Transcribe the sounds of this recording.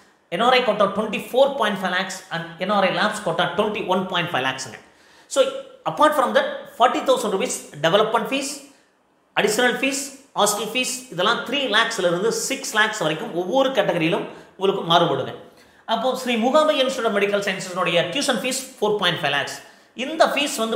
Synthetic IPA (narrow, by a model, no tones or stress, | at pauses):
ɛnoːɾɐɪkoːʈːaːʈwɛɳʈifoːɾpaːjɪ̃ɳʈfɐɪlaːksɐ̃ɳɛnaːɾɐɪlaːpskoːʈːaːʈwɛɳʈiʋɐnpaːjɪ̃ɳʈfɐɪla̰ːksɐŋɡɐ̰̃ | soːɐpːaːɾʈfɾɐ̃md̪ɐʈ̚fɔːɾʈːit̪ʰɐʊsɐ̃ɳɖɾubiːsɖɛʋɛlɐpmɛ̃ɳʈfiːs | ɐɽɪʃɐnɐlfiːshaːsʈɪlfiːsɪðɛlːãːt̪ɪɾiːlaːksɪlɐɪɾɯnd̪ɯsɪkslaːksʋɐɾɐɪkːɯmɔʋːɔɾɯkɐʈːɐɣɐɾijɪlɯ̃mʊŋɡɐɭɯkːɯmaːɾɯpɐɽɯŋɡɛ̰̃ | ɐpːoːʃɾiːmʊɣaːbɐɪnsɐɽɐmɛɽɪkːɐlsɐɪnsɐsɪnʊɽɐjɐʈjuːʂɐnfiːsfoːɾpaːjɪ̃ɳʈfɐɪlaːks | ɪnd̪ɐfiːsʋɐnd̪